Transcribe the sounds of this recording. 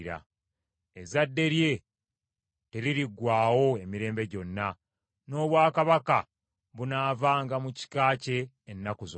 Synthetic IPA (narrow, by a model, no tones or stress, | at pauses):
ɾa̰ | e̞zadːe̞ɾje̞ | te̞liɾiɡwaːwo̞e̞miɾe̞ːmbe̞ɟo̞nːa | no̞ːβwaːkaβaka | βunaːvaːŋɡamuci̥kaːce̞ː | nːakuzo